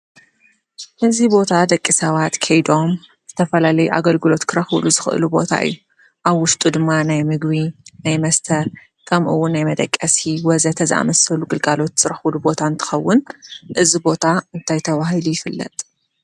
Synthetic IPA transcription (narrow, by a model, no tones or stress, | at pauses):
hɨzibo̞t̪ʰad̪ɐkʼːisɐβat̪kʰɐjd̪o̞m | z̥ɨt̪ʰɐfɐlalɐjuʔa̰ɡɐlɡɨlo̞t̪kʰɨɾɐxluzɨxɨʔɨ̰lubo̞̰t̪ʰa̰ʔɨ̰jːu | ʔaβwʊʃt̪ʼud̪ɨmːanajmɨɡβinajmɐst̪ʰɐɾ | kʰɐmʔɨwːʊnːajmɐd̪ʼɐkʼːɐsiwɐzɐt̪ʰɐzɨʔa̰mɐsɐluɡɨlɡalo̞t̪z̥ɨɾɐxlubo̞t̪ʰaɨnt̪ʰɨ̥xɐwːʊnʔɨzibo̞t̪ʰaɨnt̪ʰajt̪ʰɐβahilujɪfɨlːɐ̰t̪ʼ